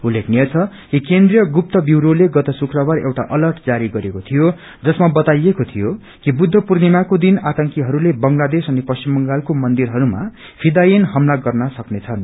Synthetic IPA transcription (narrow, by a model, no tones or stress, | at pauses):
ulːekʰnijʌt͡sʰʌ | kikend̪rijʌɡup̚t̪ʌbiwɾoleɡʌt̪ʌsukrʌbarḛwʈa̰ʔʌlʌrʈd͡zaɾiɡʌɾekot̪ʰijo | d͡zʌsmabʌt̪ajekot̪ʰijo | kibud̪ʱːʌpurnimakod̪inat̪ʌŋkiɦʌɾulebʌŋlad̪esʌnepʌst͡ɕimbʌŋɡalkomʌnd̪irɦʌɾuma̰ | pʰid̪ajinɦʌmlaɡʌrnʌsʌknet͡sʰʌn